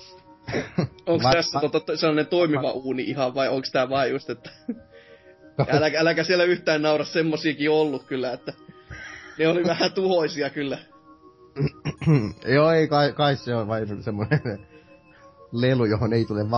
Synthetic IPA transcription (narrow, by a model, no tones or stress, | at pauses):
oŋkst̪æsːæt̪uot̪ːɑt̪selːɑnent̪oimiʋɑʔuːniʔihɑʋʋɑioŋkst̪æʋɑːjjust̪et̪ːæ̥ | ælækæælækæsielːˑæyht̪æːnnɑurɑssemːosiːkiolːukkylːæet̪ːæ | neoliʋæhæt̪uhoisiɑkylːæ | joːeikɑikɑisseolʋɑinsemːonen | lelujohoneit̪uleʋʋɑ